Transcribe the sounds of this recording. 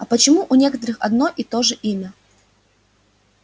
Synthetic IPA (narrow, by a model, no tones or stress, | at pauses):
ɐpət͡ɕɪmuʔʊnʲekət̪əɾɨxɐ̰d̪noʔit̪o̞ʐɨʔimʲɐ